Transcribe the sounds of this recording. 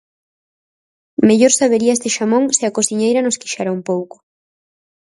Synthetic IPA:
meʎoɾsaβeɾiaest̪eʃamõŋsɪakosθiɲejɾɐnoskiʃaɾaumpowkʊ̥

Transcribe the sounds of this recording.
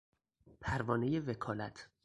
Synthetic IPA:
pʰæɾvɒːneje̞vekʰɒːlæt̪ʰ

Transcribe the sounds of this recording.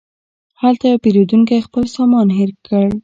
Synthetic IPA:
halt̪ajɑpeɾod̪uŋkajxpəlsɑmɑnɦɪɾkːəɽ

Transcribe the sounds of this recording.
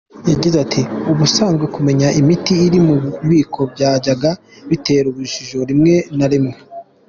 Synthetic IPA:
jaɟizatʰiuβusaːŋɡwekume̞ɲaʔimitiːɾimuβiːkʰo̞bɟaːɟaɡa | βite̞ːɾuβuʒiʒo̞ɾimŋe̞naɾimŋe

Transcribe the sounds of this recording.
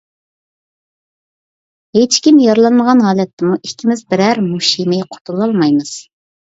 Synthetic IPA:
ɦet͡ʃkʲimjɑɾlˠɑnməʁɑnɦɑːlɛt̪ʰːɪmuʔikʲʰːimɪzbɪɾɛɾmuʃimɨqʰo̥t̪ʰulˠɑlˠmɑjmɨz̥

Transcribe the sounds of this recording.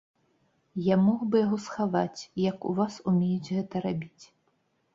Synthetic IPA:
jamɔɣbɨjaɣɔsxavat͡sʲjɐkṵvasumʲejud͡zʲɣɛt̪ɐɾabʲit͡sʲ

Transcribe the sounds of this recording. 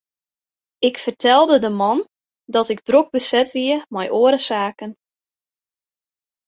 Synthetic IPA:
ɪkfərtʰɛlˠdədəmɔn | dɔtɪɡdroɡ̚bəsɛtʋiəmɛjʔoəɾəsaːkən

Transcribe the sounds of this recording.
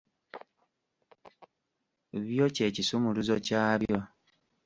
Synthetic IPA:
βjo̞ce̞cisumuluzocaːβjo̞

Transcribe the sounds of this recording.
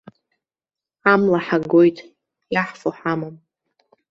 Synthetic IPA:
amlaħaɡo̞jtʼ | jaħfoħamam

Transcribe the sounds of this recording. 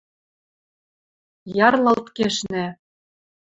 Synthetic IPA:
jɑrlˠɑlt̪keʃnɘ̆

